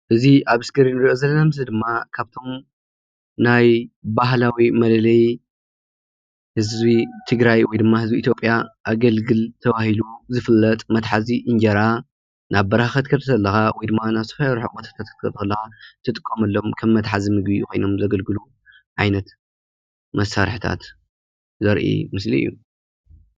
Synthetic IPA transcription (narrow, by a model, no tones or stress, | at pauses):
ʔɨziʔaβɨskʰɐɾinɨɾiʔozɐlːɐnamɨzɨd̪ɨmːakʰaβt̪ʰo̞m | najbaɦlawimɐlɐlɐj | hɨzbit̪ʰɨɡɾajwɔjd̪ɨmːahɨzbiːt̪ʰjo̞pʼːjaʔaɡɐlɡɨlt̪ʰɐβahiluzɨfɨlːɐt̪ʼmɐt̪ħaziʔɨɲd͡ʒɐɾa | nʔaβbɐɾhaxɐt̪kʰɐɾɐt̪ʰɐlːɐxawɔjd̪ɨmːanaβsɐ̥faɾħʊʔʼbot̪ʰḁt̪ʰat̪ʰt̪kʰɐt̪ʰɐlːɐxat̪ʰɨt̪ʼɨkʼːomɐlːo̞mkʰɐmːɐt̪ħazimɨɡbikʰo̞jno̞mzɐɡɐlɡɨlu | ʕajnɐt̪ | mɐsːaɾħt̪ʰa̰t̪ | zɐɾʔḭmɨsliɨ̰jːu